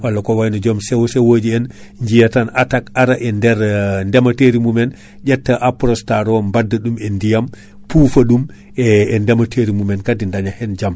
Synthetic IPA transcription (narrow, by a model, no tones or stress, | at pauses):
walːakɔwajnɔd͡ʒɔmsɛwɔsɛwod͡ʒiɛn | ɲd͡ʒijatanatakaɾaʔɛndɛɾndɛmateɾimumɛn | d͡ʒɛtːaʔapɾɔstaɾɔmbadːaɗumɛndijam | puːfaɗum | ɛːndɛmatʰeɾimumɛnkadindaɲahɛnd͡ʒam